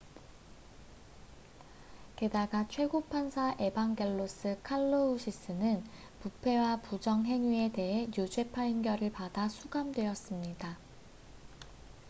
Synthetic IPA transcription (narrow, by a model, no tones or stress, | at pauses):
ke̞daɡat͡ɕʰwe̞ɡopʰansʰaʔe̞baŋɡe̞ɭːos͈ɯkʰaɭːouɕʰis͈ɯnɯn | pupʰe̞wapud͡ʑʌŋɦe̞ŋɥie̞te̞ɦe̞jud͡ʑwe̞pʰainɡjʌɾɯɭpadasʰuɡamdwe̞ʌs͈ɯmɲida